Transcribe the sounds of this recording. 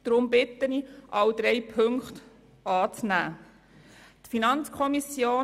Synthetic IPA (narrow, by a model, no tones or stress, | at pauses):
d̥ɾʊmbɪt̪əniʔɑwd̪ɾɛjpʰɵŋkχt̪ | ɑːt͡snæ̰ː | t̪finɑnt͡skʰɔmisjoː